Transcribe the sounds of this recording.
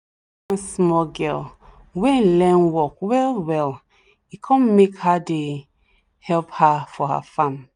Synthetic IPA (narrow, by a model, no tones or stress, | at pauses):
ãnsmɔɡɛl | wɛ̃lɛ̃nwɔkwɛlwɛl | ikʰɔ̃mmekhade | hɛlphafɔha̰fãm